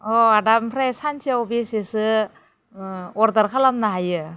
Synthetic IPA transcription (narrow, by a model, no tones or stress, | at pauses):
ɔadampʰɾajsant͡ʃʰiawbesesɯ | ɔɾdaɾkʰalamnaɦajɯ